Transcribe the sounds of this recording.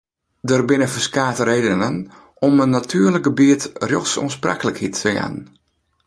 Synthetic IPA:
dərbɪnəfəskaːtəɾeːdənən | ɔmənːatʰyːrlək̚ɡəbiətrjo̰xsṵənspra̰kələkhitəa̰n

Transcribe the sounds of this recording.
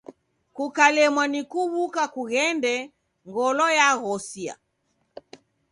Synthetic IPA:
kukalɛmwanikuβukakuɣɛndɛ | ŋɡɔlɔjaɣɔsia̰

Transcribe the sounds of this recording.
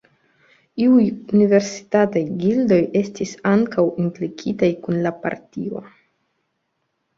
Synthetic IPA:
iujunive̞ɾsi̥tatajɡildo̞je̞stisaŋkawimplikʰitajkunlapa̰ɾtio̞̰

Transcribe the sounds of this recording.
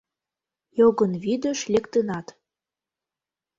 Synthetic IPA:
joɣənβid̪ə̆ʃlekt̪ənɑt̪

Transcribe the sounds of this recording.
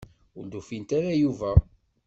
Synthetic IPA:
ʊɾd̪ufint̪aɾajuvæ

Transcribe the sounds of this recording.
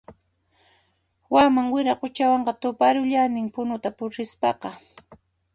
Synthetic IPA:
wamaŋwɪɾaqʊt͡ʃawɑɴɢɑt̪ʊpaɾʊʎanɪmpʊnʊt̪apʊɾɪspɑqɑ

